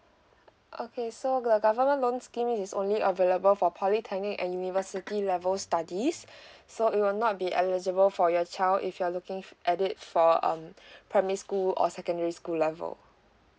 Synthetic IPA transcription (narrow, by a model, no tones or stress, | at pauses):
ʔokʰesod̪əɡavəmə̃nlõnskĩmisõ̰nliʔəveləbəlfɔpʰɔlitʰɛnɪ̃ŋɛ̰̃njunivəsitilɛvəlstadisːoit̚wilnɔt̚biʔɛ̰lid͡ʒəbəlfɔjɔt͡ʃaɪldḭfjualukɪ̃ŋʔɛdɪt̚fɔʌ̰̃mpʰɹɛməɹiskulɔ̰sɛkə̃ndəɹiskulɛvə̰l